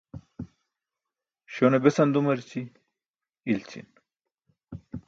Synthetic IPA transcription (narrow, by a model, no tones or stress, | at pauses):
ɕonebesɐnd̪umɐɾt͡ɕi | ilt͡ɕʰḭn